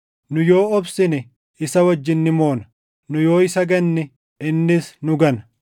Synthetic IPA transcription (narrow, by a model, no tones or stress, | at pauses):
nʊjo̞ːɔbsɪnɪ | ɪsɐwɐd͡ʒːɪnːɪmo̞ːnɐ | nʊjo̞ːɪsɐɡɐnːɪ | ɪnːɪsnʊɡɐn